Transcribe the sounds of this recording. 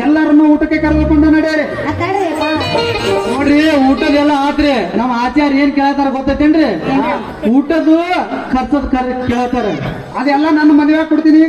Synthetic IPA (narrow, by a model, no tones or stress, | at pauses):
ɛlːɐɾɐnːuːuːʈɐkːekɐɾɐʋɐlkoɳɖɐnɐɽijaɾi | noːɖɾiuːʈɐd̪ɛlːɐaːt̪ɾenɐmːɐaːt͡ʃaːɾeːnkɛːɭɐt̪aːɾeɡɔt̪ːajt̪ːeɳɖɾi | uːʈːɐd̪ukʰɐɾsɐd̪ukɐɾkɛɭt̪aːɾe | ɐd̪ɛlːɐnɐnːɐmɐd̪ɐʋeaːɡ̚kɔɽt̪iːni